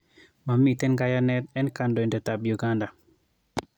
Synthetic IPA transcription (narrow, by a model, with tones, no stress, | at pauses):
ma˨mi˨tɛ˦nɡa˦ja˦nɛ˦tɛ˦nka˨ndo˨ɛ˨ndɛ˨ta˨bju˨ɡa˦nda˨